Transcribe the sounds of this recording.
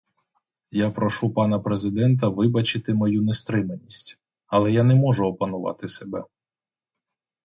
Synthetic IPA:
japɾɔʃupɑnɐpɾezɪd̪ɛnt̪̬ɐʋɪbɐt͡ʃɪt̪ɪmɔjunest̪ɾɪmenʲisʲtʲ | ɐlˠɛjanɛmɔʒʊɔpɐnʊʋɑ̰t̪ɪsebɛ

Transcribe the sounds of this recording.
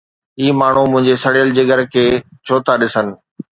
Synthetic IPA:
iːmaːɳ̤umʊ̃ɦɪ̃ɲd͡ʑesɐɽijəld͡ʑeɡəɾkʰeːt͡ɕʰoːt̪aɗɪsənɪ̆

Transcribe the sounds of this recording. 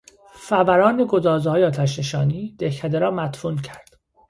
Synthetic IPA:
fævæɾɒːneɡod̪ɒːzɒːjeɒːt̪ʰæʃ̬ne̞ʃɒːniːd̪̥ehcʰæd̪eɾɒːmæt̪fuːncʰæɾd̪̥

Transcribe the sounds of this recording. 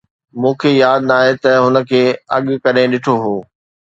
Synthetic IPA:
mũːkʰejaːd̪naːɦet̪ɐɦʊnə̆kʰeːɐɠkɐɾẽɗɪʈʰoɦoː

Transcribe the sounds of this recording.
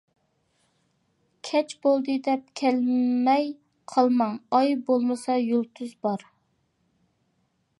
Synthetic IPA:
kʲʰɛt͡ʃbolˠd̪ɨd̪ɛp̚kʲʰɛlmɛj | qʰɑlˠmɑŋɑjbolˠmɨsɑjolˠt̪ʰyzbɑɾ

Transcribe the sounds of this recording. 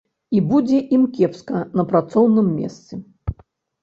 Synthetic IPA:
ibud͡zʲɛʔimkʲɛpskɐnɐpɾat̪sɔwnɨmːʲɛ̰st̪sɛ

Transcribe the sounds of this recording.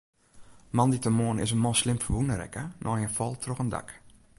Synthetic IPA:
mɑnditəmoənɪ̰sənmɔnˠslɪmfəʋunəɾɛ̰kənʔɔjənfɔlˠtʰroxənda̰k

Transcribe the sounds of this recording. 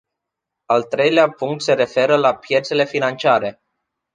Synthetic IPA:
alt̪ɾe̞jleapuŋkt̪se̞ɾe̞fe̞ɾəlapje̞t̪se̞le̞finant͡ʃiaɾe̞

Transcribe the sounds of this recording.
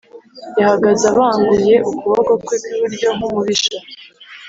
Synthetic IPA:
jahaɡazaβaːŋɡuje̞ʔukuβoɡokwekwiβuɾɟo̞ŋumuβiʃa

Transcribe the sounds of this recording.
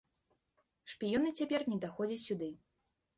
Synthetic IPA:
ʂpʲijɔnɨt͡sʲapʲɛrnʲɛd̪axɔd͡zʲit͡sʲsʲud̪ɨ

